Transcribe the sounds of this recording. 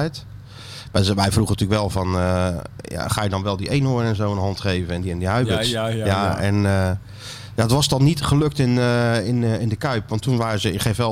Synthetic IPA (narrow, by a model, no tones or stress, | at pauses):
ɛjt | ʋɛʋɛjfruχənətylkʋɛlˠvɑnəja̰χaːjədɔnʋɛlˠdiʔejnɦoːrənɛnzowənɦɑntχejvənɛndiɛndiɦœɥbətsjaɛ̰n | jaətʋɑsdɔnːitχəlɵk̚tɪnɪnɪndəkœɥpʋɑntːunʋaːrəzəɪkχejfʋɛ